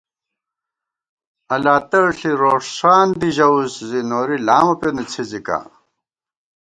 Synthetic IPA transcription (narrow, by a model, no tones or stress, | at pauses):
ɐlaːt̪ɐɻɬiɾoːʂʂaːnd̪iʑɐuszinoːɾilaːmɐpenut͡sʰizika̰